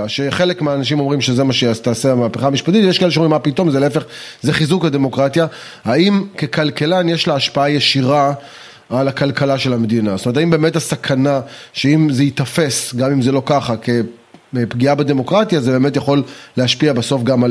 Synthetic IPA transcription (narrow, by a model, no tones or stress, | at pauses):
ʃeχe̞lekmeaːnaʃ̬imo̞mʁimʃe̞zemaʃeat̪aːseamaːpeχamiʃpat̪it̪vjekaeleʃeuimapito̞mzeleefe̞χzeχizukad̪e̞mo̞kʁat̪ja | haimke̞kalkelanjeʃlaːʃpaajeʃiʁaː | lakalkalaʃe̞lamed̪inasotomet̪aimbe̞ːmetasakʰanaʃe̞imzeit̪afe̞sɡamimzelo̞kaχake̞ | pɡiabed̪emo̞kʁatjazebeːmetjaχo̞lleaʃpiabaso̞fɡamal